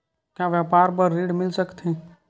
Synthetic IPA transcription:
kjaʋjapaːɾpəɾːiːɖmɪlsəkt̪ɛ̃

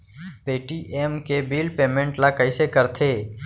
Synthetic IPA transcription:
peːʈiːʔeːmkebiːlpeːmẽɳʈlakəisekəɾt̪ʰeː

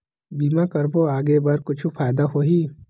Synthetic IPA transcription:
biːmãkɐɾboaːɡebɐɾkʊt͡ʃʰupʰaːjd̪aɦoːɦiː

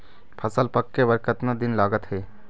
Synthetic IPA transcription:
pʰɐsəlpəkːeʋəɾkət̪nad̪ɪnlaːɡət̪ɦɛː

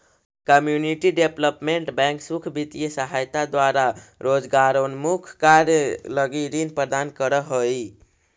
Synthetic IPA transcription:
kəmjuniʈiɖepləpmeɳʈbɛ̃ŋksukʰbit̪ijesəɦajt̪ad̪waɾaɾod͡ʒɡaɾonmukʰkaɾjələɡiɾinpɾəd̪ankəɾəɦoi

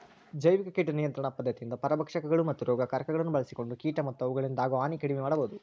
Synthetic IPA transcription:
d͡ʒɐjʋikɐkiːʈnijɐnt̪ɾɐɳɐpɐd̪ʱːɐt̪ijind̪ɐpɐɾɐbɐkʂɐkɐɡɐɭumɐt̪ːuɾɔːɡɐkɐɾkɐɡɐɭɐnːubɐɭɐsiko̞ɳɖukiːʈɐmɐt̪ːuɐʋuɡɐɭind̪aːɡuaːnikɐɽimɛmaːɽɐboːd̪u

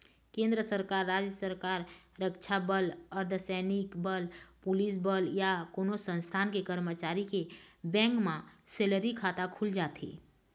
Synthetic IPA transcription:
kẽnd̪ɾəsəɾkaɾːad͡ʒjəsəɾkaɾːəkt͡ʃʰabələɾd̪ʱəsənikbəlpulis̬bəljakonosə̃nst̪ʰankekəɾmət͡ʃaɾikebɛ̃ŋkmãseləɾikʰat̪akʰuld͡ʒat̪ḛ

